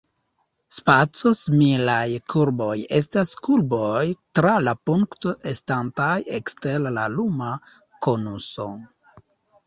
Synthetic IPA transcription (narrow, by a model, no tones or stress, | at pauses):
spat͡sosmilajkʰuɾbo̞jestaskulbojtɾalapuŋktoʔestantajekstellaluma | konuso̰